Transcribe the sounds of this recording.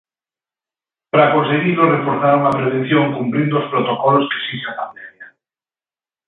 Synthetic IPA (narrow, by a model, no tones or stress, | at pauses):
pɾakonseɣilorefoɾθaɾuŋapɾeβ̞enθjoŋkumpɾind̪ospɾot̪okɔloskesisakand̪emja